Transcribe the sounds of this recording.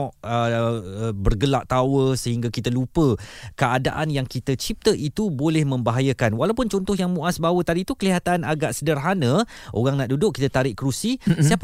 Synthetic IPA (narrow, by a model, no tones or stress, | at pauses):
ɔʔə | bərɡəlaʔt̪awəsəɦiŋɡakit̪əlupəkəada̰ʔanjaŋkit̪ət͡ʃip̚t̪əʔit̪ubolɛhmə̃mbaɦajəkanwalawpʊnt͡ʃɔnt̪ʊɦjaŋmũʔasbawət̪adit̪ukəliɦat̪anaɡaʔsədərɦanə̃ | ʔo̰ɣaŋnaʔdudʊkit̪ət̪aɾɪʔkəɾusisiap